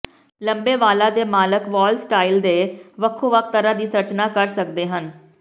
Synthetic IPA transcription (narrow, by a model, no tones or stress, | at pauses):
ləmbeːʋaːlaːd̪eːmaːləkʋɔːlsʈaːild̪eːʋəkʰːõːʋək̚ʰt̪əɾãːd̪iːsəɾt͡ʃnaːkəɾsəkd̪eːɦən